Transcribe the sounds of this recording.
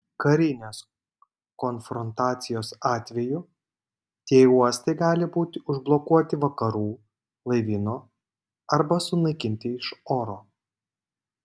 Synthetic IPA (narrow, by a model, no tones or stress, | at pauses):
kɐɾʲɪnʲoːs | kɔnfɾɔnt̪ɑːt̪sʲɪjoːsɑːt̪ʲʋʲɛjʊ | t̪ʲiɛuɔsʲt̪ɐɪɡɑːlʲɪbuːt̪ʲɪʊʒblˠɔkuɔt̪ʲɪʋɐkɐɾuː | lˠɐɪʋʲɪnoː | ɐɾbɐsʊnɐɪkʲɪnʲt̪ʲɪɪʃoːɾoː